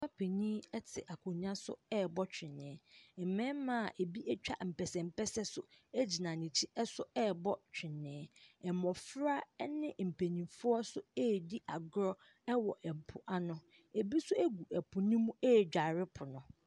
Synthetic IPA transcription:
sa˦pʰe˨nĩ˦ɛ˦tʰɪ˨ʔa˨kʰʊ˨ɲ˦ã˦sʊ̰˦ɛ˦bɔ˦t͡ɕᶣɪ̃˨nːɪ̃˨˦ɛ˨mɛ̃˦mã˨ʔe˨bi˦ʔɛ˦t͡ɕᶣa̰˦m̩˨pɛ˨sɛ˨m̩˦pɛ˦sɛ˦sʊ˦e˦d͡ʑi˨nã˨nĩ˨t͡ɕʰi˦ɛ˦sʊ˦ɛ˦˨bɔ˦t͡ɕᶣʰɪ˨nːɪ̃˨ɛ˨mɔ̃˨fɾa˦nɪ̃˦m̩˨pʰe˨nĩ˨fʊ˦ɔ˦sʊ˦ɛː˦˨di˦ʔa˨ɡɾɔ˦ | ɛ˦wɔ˨ʔɛ˨m̩˨pʰʊ˨ʔa˨nʊ̃˨ | e˨bi˦sʊ˦æ˦ɡu˨ɛ˨pʰʊ˨nĩ˦mũ˦ɛ˦˨d͡ʑᶣa˨ɾɪ˦pʰʊ˨nʊ̃˨

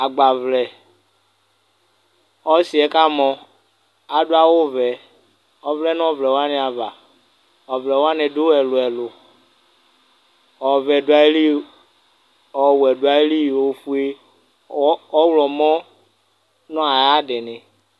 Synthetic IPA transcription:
a˨ɡ͡ba˨vlɛ˨ | ɔ˦si˨ɛ˦ka˦mɔ˨ | a˨dʊ˦a˦wo˦vɛ˨ | ɔ˦vlɛ˦n˦ɔ˦˨vlɛ˨wa˦nɪ̃˨˦a˨va˨ | ɔ˨vlɛ˨wo˦a˦nɪ˨dʊ˦ɛ˨lʊ˨ɛ˨lʊ˨ | ɔ˨vɛ˨dʊ˨˦a˨˦li˦ | ɔ˨wwɛ˨dʊ˨˦a˨e˦li˦˨wo˨fu˦e˦ | ɔ˦wlɔ˨mɔ˦ | nɔ̃˦a˨ja˦dɪ˨nɪ˨

